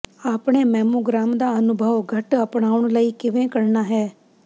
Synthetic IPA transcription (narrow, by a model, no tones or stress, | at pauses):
aːpɽ̃eːmɛːmoːɡɾaːmd̪aːənʊbʱəʋɡʱəʈəpɽ̃aːʊɳ̃ləiːkɪʋẽːkəɾnaːɦɛː